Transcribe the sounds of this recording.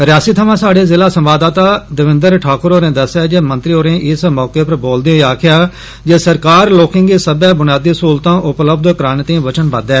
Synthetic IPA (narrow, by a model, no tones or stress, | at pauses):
ɾɪjaːsiːt̪ʰəʋãːsaːɽeːzɪlaːsə̃mʋaːd̪aːt̪aːd̪əʋɪ̃nd̪əɾʈʰaːkəɾoːɾẽːd̪əsjaːd͡ʒeːmənt̪ɾiːoːɾẽːʔɪsmɔːkeːpəɾboːld̪iaːkʰɪjaː | d͡ʒeːsəɾkaːɾloːkɪ̃ŋɡeːsəbɛ̃ːbʊnjaːd̪iːsuːlt̪ãːʔʊpləbd̪kɾaːnt̪ĩːʋət͡ʃənbəd̪ɛː